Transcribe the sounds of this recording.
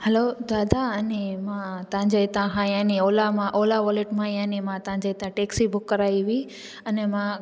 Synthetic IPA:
hɐlod̪aːd̪aɐnemãt̪ɐɦãɲd͡ʑeɪt̪ãkʰãianioːlamãʔoːlaʋoːleʈmãjanimãt̪ɐɦãɲd͡ʑeɪt̪ãʈeːksibʊkːɐɾaːiʋi | ɐnɛmã

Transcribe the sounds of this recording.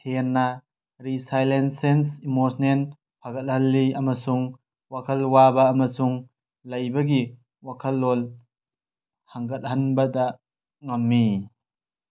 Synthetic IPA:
henːɐ | ɾisajlensensimosnen | pʰaɡɐt̚hɐlːiʔɐmɐsuŋ | wakʰɐlwabɐːmɐsuŋ | lɐjbɐɡi | wakʰɐlːol | haŋɡɐt̚hɐnbɐdɐ | ŋɐmːi

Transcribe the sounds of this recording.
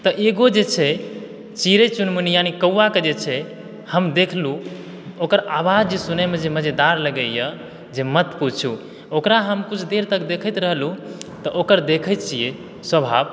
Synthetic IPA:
t̪əʔeɡod͡ʒet͡ʃʰɛ | t͡ʃiɾet͡ʃunmunijanikəuːaked͡ʒet͡ʃʰɛ | həmd̪ekʰlu | okəɾabad͡ʒd͡ʒesunemed͡ʒeməd͡ʒed̪aɾləɡəjə | d͡ʒemət̪put͡ʃʰu | okɾaɦəmkut͡ʃʰd̪eɾt̪əkd̪ekʰət̪ɾəɦlut̪əʔokəɾd̪ekʰət̪̚t͡ʃʰije | swəbʱa̰b

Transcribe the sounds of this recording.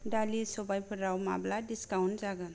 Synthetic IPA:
dalisɔbajpʰəɾawma̰bladiskawnzaɡan

